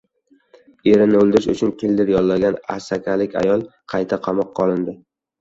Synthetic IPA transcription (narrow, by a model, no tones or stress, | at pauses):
e̞ɾɪnɪɵlˠd̪ɪɾɪʃʊ̰t͡ʃʰʊnkʲʰɪld̪ɪɾjɒlˠlːaɡʲana̰sakʲʰalɪkʲʰa̰jɒlˠqʰɑjt̪ʰaqʰɑmɒqʰːɒlˠɪnd̪ɪ